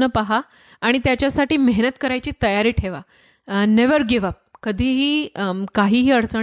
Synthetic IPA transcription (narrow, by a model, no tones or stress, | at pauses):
nəpaɦaː | ɽ̃it̪jat͡ɕjasaʈiːmeɦnət̪kəɾajt͡ɕiːt̪əjaɾiːʈʰeʋa | neʋəɾɡeʋap̚kəd̪ʱiːɦiːkaɦiːɦiːəɽt͡sə